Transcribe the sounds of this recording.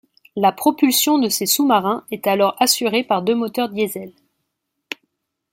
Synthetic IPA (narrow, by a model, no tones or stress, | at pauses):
lapχɔpylsjɔ̃d̪əsesumaʁɛ̃ɛt̪alɔʁasyʁepaʁd̪ømɔt̪œʁd̪jezɛl